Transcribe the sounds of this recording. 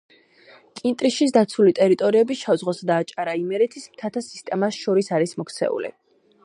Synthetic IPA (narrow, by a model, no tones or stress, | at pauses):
kʼint̪ʼɾiʃisd̪at̪sʰulit̪ʼɛɾit̪ʼɔɾiɛbiʃavzʁɔsad̪aːt͡ʃʼaɾaimɛɾɛt̪ʰismt̪ʰat̪ʰasi̥st̪ʼɛmasʃɔɾisaɾismɔkʰt̪sʰɛ̰ṵlḭ